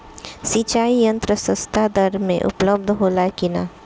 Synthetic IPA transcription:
sit͡ʃaːijɐ̃nt̪ɾəsə̃st̪ʰad̪əɾmḛ̃ʔʊ̰pləb̚d̪ʱɦoːlakɪna̰ː

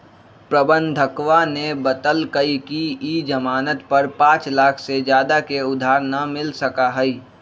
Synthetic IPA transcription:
pɾəbə̃nd̪ʱəkwanebət̪əlkəikiid͡ʒəmaːnət̪pɐɾpãːt͡ʃlaːkʰsed͡ʒjaːd̪akeʊd̪ʱaːɾnamɪlsəkaɦɛi

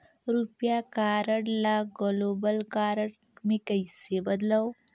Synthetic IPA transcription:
ɾupjakaːɾəɽlaɡɔloːbəlkaːɾəɽ | mẽkɐisebɐd̪lao

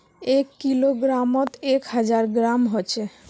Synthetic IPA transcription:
ekːiloɡɾamot̪ekɦad͡ʑaɾɡɾamɦot͡ɕʰe

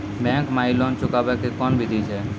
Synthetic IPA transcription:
bɛ̃kmailɔnt͡ʃʊkabɛkekɔnbʱid̪ʱit͡ʃʰɛ

